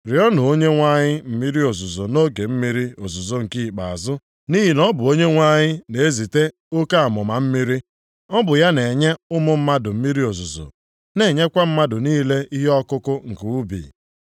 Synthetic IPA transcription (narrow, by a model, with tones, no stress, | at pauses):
ɾɪ˨ɔ˦nʊ˨o˦ɲe˦ŋʷa˦ɲɪ˦m̩˨mi˦ɾi˦o˨zʊ˨zo˨no˦ɡe˨m̩˦mi˦ɾi˦o˨zʊ˨zo˨ŋ̩˨ki˦˨k͡pa̰˨a˨zʊ˦ | ni˦ɦi˨nɔ˦bʊ˨o˦ɲe˦ŋʷa˦ɲɪ˦ne˨e˦zi˨te˦ | o˦ka˦a˨mʊ˨ma˨m̩˦mi˦ɾi˦ | ɔ˦bʊ˨ja˦ne˨ɲe˦ʊ˦mʊ˦m̩˦ma˦dʊ˨m̩˦mi˦ɾi˦o˨zʊ˨zo̰˨ | ne˨ɲe˦kʷa˦m̩˦ma˦dʊ˨niː˦le˦i˦ɦe˦ɔ˦kʊ˦kʊ˦ŋ̩˨ku˨u˦bḭː˨